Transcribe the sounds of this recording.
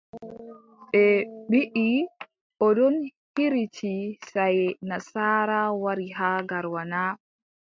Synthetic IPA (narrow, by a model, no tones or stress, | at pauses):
ɓɛɓiʔi | ʔɔdɔn | hiɾit͡ʃisajnasaːɾawaɾiɦaːɡaɾwana